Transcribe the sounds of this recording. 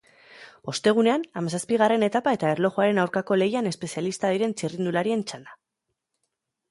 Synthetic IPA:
o̞st̪e̞ɣ̞une̞anamasaspiɣ̞are̞ne̞t̪apae̞t̪aeɾlo̞ʝoaɾe̞nawɾkako̞le̞jane̞spe̞sialist̪aðiɾe̞nt͡ʃirind̪ulaɾie̞nt͡ʃand̪a

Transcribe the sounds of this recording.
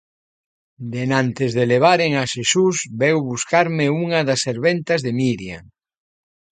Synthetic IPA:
d̪enãnt̪ezðeleβ̞aɾeŋaʃesusβewβuskaɾmeuŋɐðaseɾβent̪ɐzðemiɾja̰ŋ

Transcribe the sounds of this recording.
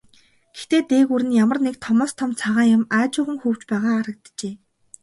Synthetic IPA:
ɡ̥ext̪eːt̪eːɣuːɾɘ̆njamə̆rnekt̪ʰɔmɔːst̪ʰɔmt͡sʰaʁaːjʊ̆maːt͡ɕʊːʁə̆ŋxuːw̥t͡ɕpæːʁaːaɾə̆k̚t̪t͡ɕeː

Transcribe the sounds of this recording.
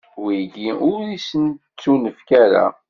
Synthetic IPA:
wiɡiʊɾisən | t͡sːunəfkæɾa̰

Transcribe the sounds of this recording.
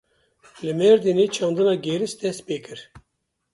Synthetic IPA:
lɨmɛɾd̪ineːt͡ʃʰɑːnd̪ɨnɑːɡeːɾɨst̪ʰɛs̚peːkɨɾ

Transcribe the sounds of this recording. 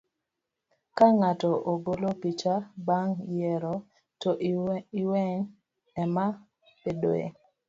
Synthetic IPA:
kaŋatɔʔoɡolopit͡ʃabaŋjɛɾɔ | tɔʔiwɛɲ | ɛma | pedoḛ

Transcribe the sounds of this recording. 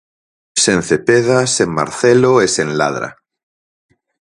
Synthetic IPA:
sẽn̟θepeðasemma̰ɾθeloesenla̰ðɾa̰

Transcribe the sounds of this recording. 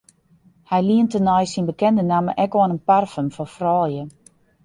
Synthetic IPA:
hɛjliəntənɔjsinbəkɛndənaməʔɛkɔnənparfəmfɔfrɔːjə

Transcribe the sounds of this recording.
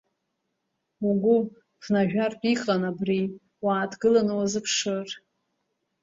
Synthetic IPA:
uɡʷʊ | χnaʒᶣartʷʼiχʼanabri | waːtʰɡɨlanɨwazɨpʰʂɨr

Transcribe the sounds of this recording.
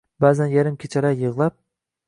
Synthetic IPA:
baːzanjaɾɪmkʲʰet͡ʃʰaɾajɨʁlˠap̚

